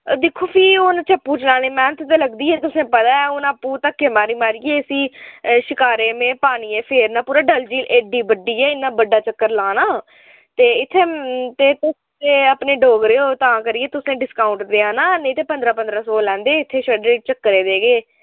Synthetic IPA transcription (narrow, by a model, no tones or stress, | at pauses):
d̪ɪkʰːoːpʰiːʊnt͡ʃəpːuːt͡ʃlãːnẽːmɛ̃ːt̪ʰʊt̪eːləɡd̪iːɛːt̪ʊsẽːpət̪aːɛːʊnaːpːuːt̪əkːemaːɾiːmaːɾiːeːəsiːʃɪkaːɾeːmẽːpaːniːɛːpʰeːɾnãːpuːɾaːɖəld͡ʒiːleːɖiːbəɖiːɛːɪnːãːbəɖːaːt͡ʃəkːəɾlãːnaː | t̪eːɪt̪ʰːeːt̪eːt̪ʊs | t̪eːəpneːɖoːɡɾeːoːt̪ãːkəɾieːt̪ʊsẽːɖɪskaːʊ̃ɳʈd̪eːãːnaːnẽt̪eːpənd̪ɾaːpənd̪ɾaːsɔːlɛ̃ːnd̪eːɪt̪ʰːeːt͡ʃəɖeːt͡ʃəkːəɾeːd̪eːɡeː